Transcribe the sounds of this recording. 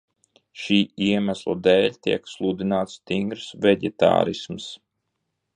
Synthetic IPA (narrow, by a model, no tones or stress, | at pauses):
ʃiːiɛmæslˠad̪ɛːlʲt̪iɛkslˠud̪inaːt̪st̪iŋɡɾsvɛɟɛt̪a̰ːɾisms